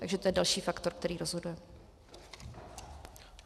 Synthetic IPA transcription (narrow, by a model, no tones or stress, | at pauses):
t̪aɡʒɛt̪ojɛdalʃiːfakt̪o̞ɾk̚t̪ɛɾiːɾozɦo̞dujɛ